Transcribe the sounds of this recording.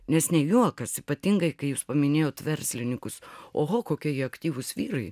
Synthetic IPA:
nʲɛsnʲɛjuɔkɐsipɐt̪ʲiŋɡɐɪkɐɪjuːspɐmʲɪnʲeːjoːt̪ʋʲɛrʲsʲlʲɪnʲɪkʊsoːɦoːkoːkʲiɛjiɐkt̪ʲiːʋʊsʋʲiːɾɐɪ

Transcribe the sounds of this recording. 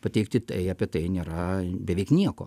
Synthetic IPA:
pɐt̪ʲɛɪkt̪ʲɪt̪ɐɪɐːpʲiɛt̪ɐɪnʲeːɾɐbʲɛʋʲɛɪknʲiɛko̰ː

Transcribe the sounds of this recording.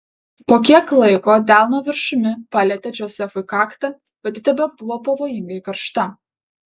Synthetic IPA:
poːkʲiɛklˠɐɪkoːd̪ʲæˑlˠnoːʋʲɪɾʃʊmʲɪpɑːlʲɛt̪ʲɛd͡ʒʲoːsʲɛfʊɪkɑːkt̪ɐ | bʲɛt̪ʲɪt̪ʲɛbʲɛbʊʋoːpɐʋoːjɪŋɡɐɪkɐɾʃt̪ɐ

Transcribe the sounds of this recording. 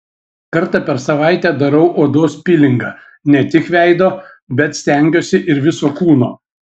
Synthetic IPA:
kɐɾt̪ɐpʲɛɾsɐʋɐɪt̪ʲɛːd̪ɐɾɐʊʔoːd̪oːspʲɪlʲɪŋɡɐ | nʲɛt̪ʲɪkʋʲæɪd̪oː | bʲɛt̪sʲt̪ʲɛŋʲɡʲoːsʲɪʔɪɾʋʲɪsoːkuːnoː

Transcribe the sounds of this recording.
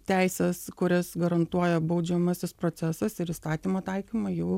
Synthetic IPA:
t̪ʲæˑɪsʲɛskʊɾʲɛsɡɐɾɐnt̪uɔjɛbɐʊd͡ʒʲɛmɐsʲɪspɾoːtsʲɛsɐsɪɾist̪ɑːt̪ʲimɐt̪ɐɪkʲimɐjɛʊ

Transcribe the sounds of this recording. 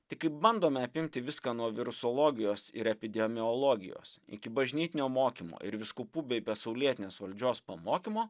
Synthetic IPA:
t̪ʲɪkɐɪp̚bɐnd̪oːmʲɛɐpʲɪmʲt̪ʲɪʋʲɪskɐːnuɔʋʲɪɾʊsɔːlˠoːɡʲɪjoːsɪ̰ɾɛpʲɪd̪ʲɛmʲɪɔlˠoːɡʲɪ̰jo̰ːsɪ̰kʲɪbɐʒʲnʲiːt̪ʲɪnʲoːmoːkʲimo̰ːʔɪ̰ɾʋʲɪskuːpuːbʲɛbʲɛsɐʊlʲiɛt̪ʲɪnʲeːsʋɐlʲd͡ʒʲoːspɐmoːkʲimoː

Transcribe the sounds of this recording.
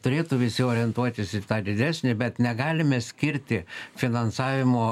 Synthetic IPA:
t̪ʊɾʲeːt̪ʊʋʲɪsʲɪoːɾʲɪɛnt̪uɔt̪ʲɪsɪt̪ɑːd̪ʲɪd̪ʲæːsʲnʲɪbʲɛt̪nʲɛɡɑːlʲɪmʲɛsʲkʲɪɾʲt̪ʲɪfʲɪnɐnsɑːʋʲɪmoː

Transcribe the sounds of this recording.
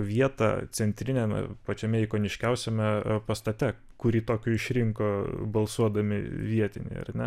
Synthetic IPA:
ʋʲiɛt̪ɑ̰t͡s̪ʲɛnʲt̪ʲɾʲɪnʲɛmʲɛ̰pɐt͡ʃʲɛmʲɛɪkoːnʲɪʃʲkʲɛʊsʲɛmʲɛpɐst̪ɐt̪ʲɛ | kʊɾʲiːt̪oːkʲʊɪʃʲɾʲɪŋkobɐlˠsuɔd̪ɐmʲɪ̰ʋʲiɛt̪ʲɪnʲɛ̰ɪɐ̰rnʲɛ

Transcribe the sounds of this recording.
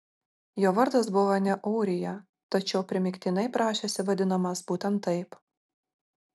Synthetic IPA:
joːʋɐɾd̪ɐs̬bʊʋɐnʲɛʔɔʊɾʲɪjɛ | t̪ɐt͡ʃʲɛʊpʲɾʲɪmʲɪkʲt̪ʲiːnɐɪpɾɑːʃʲeːsʲɪʋɐd̪ʲɪnɐmɐsbuːt̪ʲɛnt̪ːɐɪp

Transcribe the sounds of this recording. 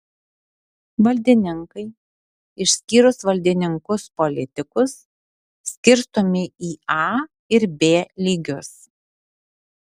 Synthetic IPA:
ʋɐlʲd̪ʲɪnʲɪŋkɐɪ | ɪʃʲsʲkʲiːɾʊsʋɐlʲd̪ʲɪnʲɪŋkʊspɔlʲɪt̪ʲɪkʊsːʲ | kʲɪɾst̪omʲɪiːɑː | ɪɾbʲeːlʲiːɡʲʊs

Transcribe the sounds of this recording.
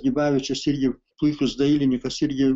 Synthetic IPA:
ɡʲibɑːʋʲɪt͡ʃʲɛsɪrʲɡʲɪplˠʊɪkʲʊsd̪ɐɪlʲɪnʲɪkɐsɪrʲɡʲɪ

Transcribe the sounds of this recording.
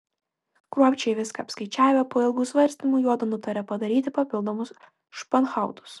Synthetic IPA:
kɾuɔpʲt͡ʃʲɛɪʋʲɪskɐːpskɐɪt͡ʃʲæːʋʲɛpoːɪlˠɡuːsʋɐɾʲsʲt̪ʲimuːjuɔd̪ɐnʊt̪ɐɾʲɛpɐd̪ɐɾʲiːt̪ʲɪpɐpʲɪlˠd̪oːmʊs | ʃpɐnxɑˑʊt̪ʊ̥s

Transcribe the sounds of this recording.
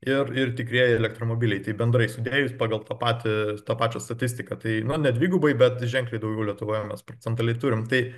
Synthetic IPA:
ɪrɪrt̪ʲɪkɾʲiɛjɛɛlʲɛkt̪ɾoːmoːbʲilʲɛɪt̪ɐɪbʲɛnd̪ɾɐɪsʲʊd̪ʲeːjʊsʲpɑːɡɐlˠt̪ɑːpɑːt̪ʲɪt̪ɑːpɑːt͡ʃʲoːst̪ɐt̪ʲɪsʲt̪ʲɪkɐt̪ɐɪnʊnʲɛd̪ʲʋʲiːɡʊbɐɪbʲɛt̪ʒʲɛŋklʲɛɪd̪ɐʊɡʲɛʊlʲiɛt̪ʊʋoːjɛmʲɛspɾoːt͡sʲɛnt̪ɐlʲɛɪt̪uːɾʲɪmt̪ɐɪ

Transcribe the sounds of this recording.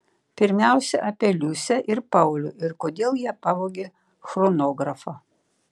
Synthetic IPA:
pʲɪɾʲmʲæˑʊsʲɛʔɐpʲelʲusʲɛʔɪɾpɐʊlʲʊɪɾkoːd̪ʲeːlˠjiɛpɐʋoːɡʲeː | xɾonoːɡɾɐfo

